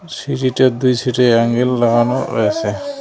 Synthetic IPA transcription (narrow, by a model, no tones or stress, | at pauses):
siɾitɔt̚d̪ujsitɛaŋɡelːaɡanɔ̰o̰jasɛ